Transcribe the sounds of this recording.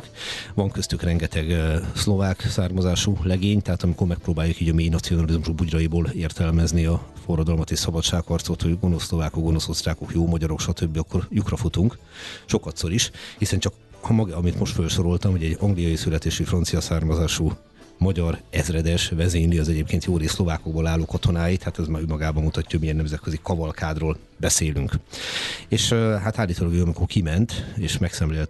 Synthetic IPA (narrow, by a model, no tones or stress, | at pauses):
kvɒŋkøst̪ykrɛŋɡɛt̪ɛɡslo̞vaːksaːrmɒzaːʃulɛɡeːɲt̪ɛɦaːt̪ɒmiko̞rmɛk̚proːbaːjukiːɟɒmeːjnɒt̪sijo̞nɒlizmuʃbuɟrɒiboːleːrt̪ɛlmɛzniɒfo̞rːɒd̪ɒlmɒt̪eːʃsɒbɒt̪ʃaːkhɒrt̪so̞t̪hoɟɡo̞no̞sːlo̞vaːkokɡo̞no̞so̞st̪raːko̞kjoːmɒɟɒɾo̞kʃɒt̪ʰøbːiɒkːo̞rjukrɒfut̪uŋk | ʃo̞kɒt̪so̞ɾiʃhisɛnt͡ʃɒk | hmɒɡɒmit̪mo̞ʃt̪følʃo̞ɾo̞lt̪ɒmhoɟɛɟːɒŋɡlijɒjisylɛt̪eːʃifrɒnt̪sijɒsaːrmɒzaːʃu | mɒɟɒrɛzrɛd̪ɛʃvɛzeːniɒzɛɟeːp̚keːnt̪joːɾeːslo̞vaːkoɡ̚bolaːlːoːkɒt̪o̞naːjit̪hat̪ɛzmaːɾømɒɡaːbɒmut̪ɒcːɔɟmiɛnːɛmzɛt̪̚kø̞zikɒvɒlkʰaːd̪roːl | bɛseːlyŋk | eːʃɦat̪aːlːiːt̪oːlɒɡyɒmikorkimɛnt̪eːʃmɛksɛmleːlt̪